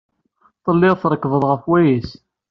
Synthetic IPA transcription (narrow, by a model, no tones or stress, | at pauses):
θˤəlːɪʁθɾˤəkːvəðˤʁəfwæjæs